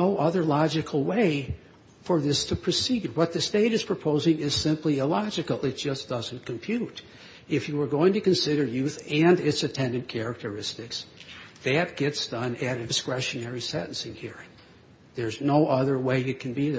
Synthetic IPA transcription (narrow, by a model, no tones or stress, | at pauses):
noʊʔʌðə˞lɑd͡ʒɨkʰl̩ˠweɪ | fə˞ðɪstʰɨpʰɹ̥ɨsiwʌt̪̚ðɨsteɪɾɨz̥pʰɹ̥ɨpʰoʊzɪ̃ŋɪz̥sɪ̃mpliɨlɑd͡ʒɨkl̩ˠɪt̚d̥ʒ̥ʌsd̥ʌzɨ̃n̩kʰɨ̃m̩pʰj̥ʉɾ | ɨfjɨwə˞ɡoʊɪ̃ŋtɨkɨ̃nsɪɾə˞jʉθɨ̃nɪtsɨtʰɛ̃ndɨ̃nkʰɛɹɨk̚tʰə˞ɪstɨksðɨt̚ɡ̥ɛtsd̥ʌ̃nɨɾɨɨskɹɛʃɨnɛɹisɛ̰ʔn̩sɪ̃ŋhiɹ̃ŋ | ðə˞znoʊʔʌðə˞weɪɨt̚kʰn̩bið